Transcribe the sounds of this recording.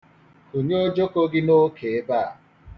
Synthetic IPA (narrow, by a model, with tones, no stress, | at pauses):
o˨ɲe˦o˦d͡ʒo˦ko˦ɡɪ˦no˦kʰe˨e˦ba˦a˨